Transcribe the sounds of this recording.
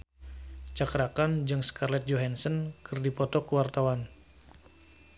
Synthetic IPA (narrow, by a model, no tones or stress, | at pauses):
t͡ʃakɾakand͡ʒɨŋskʰarlɛt̪̚d͡ʒɔɦɛnsənkʰɨrdipɔt̪ɔkuwart̪awan